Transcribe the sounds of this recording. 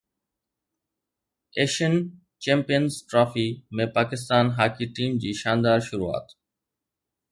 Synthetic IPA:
eːʃən | t͡ɕẽːmpijənzʈɾɔːfimẽpaːkɪst̪aːnɦaːkiʈiːmd͡ʑiːʃãːnd̪aːɾʃʊɾua̰ːt̪

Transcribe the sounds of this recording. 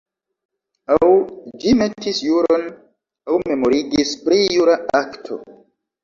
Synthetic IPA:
awd͡ʒime̞tʰisjuɾo̞n | awme̞mo̞ɾiɡispɾijuɾaaktʰo̞̰

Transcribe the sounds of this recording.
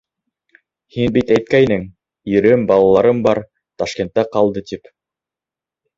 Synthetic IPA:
hinbit̪æjt̪̚kæjnɘŋ | ɵ̆ɾɘmbɑlˠɑlˠɑɾɤmbɑɾ | t̪ɑʃkʲent̪ːæqɑlˠd̪ɤt̪ip

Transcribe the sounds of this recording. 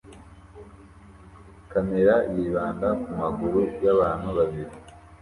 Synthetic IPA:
kameɾajiβaːndakumaɡuɾujaβaːn̤uβaβiɾi

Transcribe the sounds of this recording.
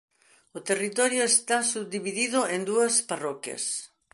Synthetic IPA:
ot̪erit̪ɔɾjoest̪asuβd̪iβiðiðʊẽnd̪uɐsparɔkjɐ̰s

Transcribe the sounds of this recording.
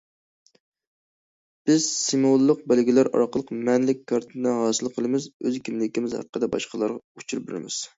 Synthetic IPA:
b̥ɪz̥simolˠːəq̚bælɡʲilæɾɑ̰ɾqəlˠəqmɛnlɪkʲkʰːɑɾt̪ʰɨnɨɦɑːsɨlˠqʰəlˠɨmɪzøzkʲʰimlɪkʲimɪzhæ̰ɾqʰːəd̪ɛbɑ̰ʃqʰəlˠɑɾʁɑut͡ʃʰuɾbeɾɪ̰mɪz̥

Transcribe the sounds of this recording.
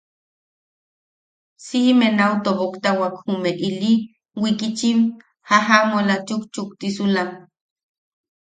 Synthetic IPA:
simenawt̪opokt̪awakhumeʔili | wikit͡ʃim | haɦamolat͡ʃukt͡ʃuk̚t̪isulam

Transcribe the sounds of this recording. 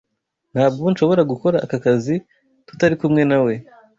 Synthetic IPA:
n̥haːb̚ɡonʃo̞βo̞ɾaɡuko̞ɾaʔːkakazi | tu̥taɾikumŋe̞nawe̞

